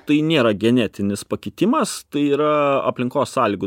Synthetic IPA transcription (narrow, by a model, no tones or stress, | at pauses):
t̪ɐɪnʲeːɾɐɡʲɛnʲæːt̪ʲɪnʲɪspɐkʲɪt̪ʲɪmɐst̪ɐɪiːɾɐɐpʲlʲɪŋkoːsːɑːlʲiːɡʊ